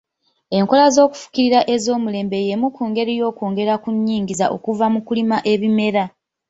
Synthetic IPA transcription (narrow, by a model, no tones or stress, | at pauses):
e̞ŋko̞lazo̞ːku̥fu̥kiɾiɾaʔe̞zo̞ːmule̞ːmbe̞jemukuːŋɡe̞ɾijo̞ːkoːŋɡe̞ɾakuɲːiːŋɟizaʔo̞̰kuvamukulimaʔe̞βime̞ɾa